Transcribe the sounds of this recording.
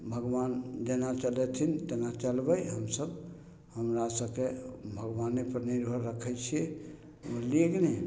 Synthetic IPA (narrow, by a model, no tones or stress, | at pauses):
bʱəɡʋand͡ʒenat͡ʃəlɛt̪ʰint̪enat͡ʃəlbəjɦəmsəb | həmɾasəbkebʱəɡbanːepəɾniɾbʱəɾəkʰəjt͡ʃʰiɛ | məleɡne